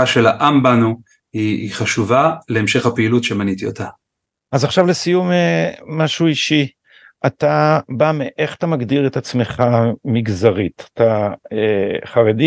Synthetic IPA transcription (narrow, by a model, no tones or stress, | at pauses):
aʃelaʔambanu | iːχaʃuvaleemʃe̞χhapeilutʃemanitiotʰa | azaχʃavlesijumemaʃuiʃi | atabameʔe̞χḁtamaɡdiʁetat͡sme̞χamiɡzaʁitḁtaeχaʁedi